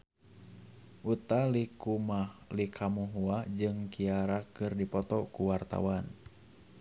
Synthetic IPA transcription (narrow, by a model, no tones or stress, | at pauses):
ʔut̪alikumalikʰamuɦuad͡ʒɨŋkiaɾakɨrdipɔt̪ɔkuwart̪a̰wan